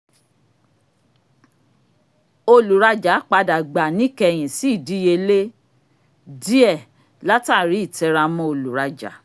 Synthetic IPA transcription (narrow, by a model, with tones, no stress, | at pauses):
o˧lu˨ɾa˧d͡ʒa˨˦k͡pa˧da˨ɡ͡ba˨nĩ˦kɛ˧j̃ĩ˨si˦i˦˨di˨˦je˧le˦ | di˦ɛ˦˨ | la˦ta˦˨ɾi˨˦i˦˨tɛ˧ɾa˧mɔ̃˦o˧lu˨ɾa˧d͡ʒa̰˨˦